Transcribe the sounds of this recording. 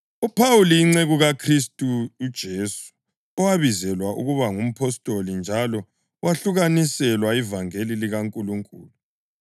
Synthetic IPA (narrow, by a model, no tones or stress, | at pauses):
upʰawuliiŋ͡ǀeɣuɣakʰristʼuud̥ʒ̥ʱesu̥ | ɔwaβizɛlwaʔuɣuβaŋum̩pʰɔstʼolind͡ʒʱalɔ | waɬuɣanisɛlwaivaŋeliliɣaŋkʼuluŋkʼuːlu